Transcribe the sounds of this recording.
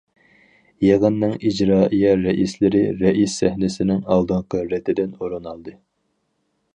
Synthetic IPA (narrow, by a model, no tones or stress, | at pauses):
jeʁənːɨŋid͡ʒɾɑːijɛɾɛʔislɪɾɪɾɛʔisːæhnɪsɪnɪŋɑlˠd̪ɨɴqʰəɾɛt̪ʰːɪd̪ɪnoɾɨnɑlˠd̪ɨ